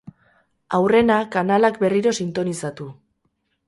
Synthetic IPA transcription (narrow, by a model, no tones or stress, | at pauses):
awre̞nakanalakbe̞riɾo̞sint̪o̞nisat̪u